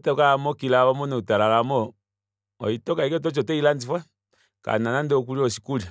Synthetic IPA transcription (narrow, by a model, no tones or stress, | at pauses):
tɛkaamɔkilaβɔmɔnɛutalalamɔ | ɔ̰itɔkaikɛt̬ɔt͡ʃɔtɛiland͡zifwɛ | ka̰nanandɛɔk̬uliɔsi̥kuli